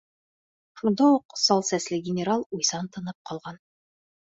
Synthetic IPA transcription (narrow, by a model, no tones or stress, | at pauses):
ʃund̪ɑuqsɒlˠsæslɘɡʲɪnʲɪɾalˠujsɑnt̪ɤ̆nɤp̚qʰɒlˠʁɑn